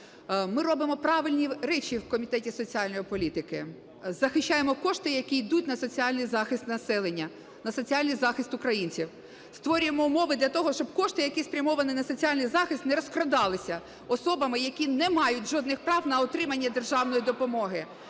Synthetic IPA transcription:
mɪɾɔbɪmɔpɾɑʋɪlʲnʲiɾɛt͡ʃʲiwkɔmʲit̪ɛtʲisɔt͡sʲiɑlʲnɔjipɔlʲit̪ɪkɪ | zɐxɪʃt͡ʃːajemɔkɔʃt̪ɪjɐkʲijd̪utʲnɐsɔt͡sʲiɑlʲnɨjzɑxɪst̪nɐsɛlˠenʲːɐ | nɐsɔt͡sʲiɑlʲnɨjzɑxɪst̪ʊkɾɐjinʲt͡sʲiw | st̪ʋɔɾʲʊjemɔʊmɔʋɪd̪lʲɐt̪ɔɦɔʃt͡ʃɔbkɔʃt̪ɪjɐkʲispɾʲɐmɔʋɐnɪnɐsɔt͡sʲialʲnɪjzɑxɪst̪nɛɾɔskɾɔd̪ɑlˠɪsʲɐ | ɔsɔbɐmɪjɐkʲinɛmɑjʊtʲʒɔd̪nɪxpɾɑwnɐɔt̪ɾɪmɐnʲːɐd̪erʒɑwnɔjid̪ɔpɔmɔɦɪ

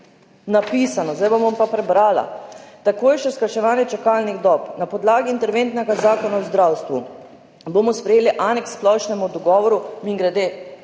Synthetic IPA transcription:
napiːsanɔzd̪ajbobɔmpapɾɛbɾaːla̰t̪akoːjʃɛskaʃɛʋaːnjɛt͡ʃakaːlniɣd̪ɔːpnapɔd̪laːɡiːnt̪ɛɾʋent̪nɛɡazaːkɔnawzd̪ɾawst̪ʋu | bomɔspɾɛjeːliʔaːnɛkssplɔʃnɛmud̪ɔɡɔːʋɔɾumiŋɡɾɛd̪eː

